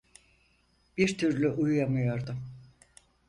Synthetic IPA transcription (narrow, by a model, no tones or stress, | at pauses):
b̥iɾt̪ʰyɾlʲyʔujujamɯjoɾd̪ʊm